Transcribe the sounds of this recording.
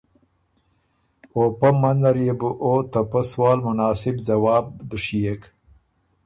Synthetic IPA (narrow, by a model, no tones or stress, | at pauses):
oːpɐmɐnd̪ɐɾjebuʔoːt̪ɐpaswɑːlmʊnɑːsɪbzɐwɑːb̚d̪uʃijek